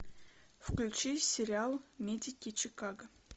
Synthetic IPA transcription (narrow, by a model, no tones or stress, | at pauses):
fklʲʉt͡ɕisʲɪɾʲɪalˠmʲedʲɪkʲit͡ɕɪkaɡə